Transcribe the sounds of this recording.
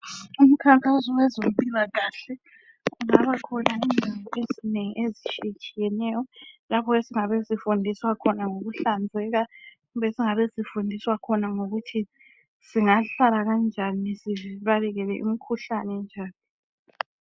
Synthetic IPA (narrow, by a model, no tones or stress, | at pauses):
um̩kʰaŋkʼazɔwɛzom̩pʼilaɣaɬɛ | ɣuŋaβakʰɔnaindʱaβɔezineŋiʔezit͡ʃikʰijɛnɛjɔlapʰɔesiŋaβesifundʱiswakʰɔnaŋoɣuɬand͡zʱɛɣa | uβɛsiŋaβezifundʱiswakʰɔnaŋoɣutʰi | siŋaɬalaɣand͡ʒʱanisiviβalɛɣɛlɛʔḭmikʰuɬanɛnd͡ʒʱaːni